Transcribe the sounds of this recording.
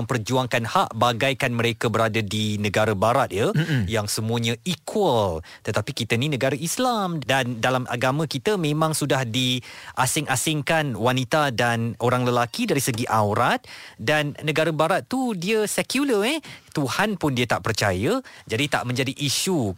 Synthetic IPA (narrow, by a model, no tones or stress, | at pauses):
əmpərd͡ʒuaŋkanhaʔbaɡajkanmə̃ɾekəbəɾadadinə̃ɡaɾabaɾat̪̚jəjaŋsəmũəɲə̃ikʰwəl | t̪ət̪apikit̪əninə̃ɡaɾaʔislamdandalamʔa̰ɡamə̃kit̪əmẽmãŋsudahdiʔasɪŋʔasɪŋkanwanit̪adanʔoɾaŋləlakidaɾisəɡiʔawɾat̪̚danːə̃ɡaɾəbaɾat̪ːudiəsɛkjuləɛt̪uhanpʊndiət̪aʔpərt͡ʃajəd͡ʒadit̪a̰ʔmə̃ɲd͡ʒadiʔiʃu